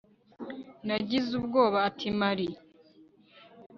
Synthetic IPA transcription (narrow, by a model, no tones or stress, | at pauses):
naɟizubɡo̞ːβaːtʰimaɾi